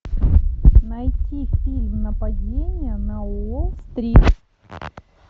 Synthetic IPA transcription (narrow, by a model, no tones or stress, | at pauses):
nɐjtʲifʲilʲmnɐpɐdʲenʲɪjənɐost̪ɾʲip